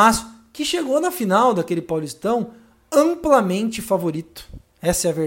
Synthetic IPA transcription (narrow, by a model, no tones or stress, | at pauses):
as | kɪʃeɡonɐfinawd̪ɐkelɪpawlist̪ɐ̃w̃ | ɐ̃mplamẽnt͡ʃɪfavoɾit̪ʊ̥ | ɛsɐɛɐveɾ